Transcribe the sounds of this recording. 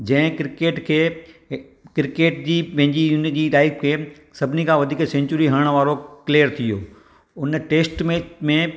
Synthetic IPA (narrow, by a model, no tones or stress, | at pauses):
d͡ʑɐ̃ɪ̃kɾɪkeːʈkʰeː | kɾɪkeːʈd͡ʑiːpɐ̃ɦɪ̃ɲd͡ʑiund͡ʑiːɾaːɪkkʰeː | sɐbʱɪnikʰãʋɐd̪ʱiːksẽːɲt͡ɕʊɾiɦɐɾəɽ̃ʋaːɾoklijəɾt̪ʰijoː | ʊnʈeːsʈmẽmẽ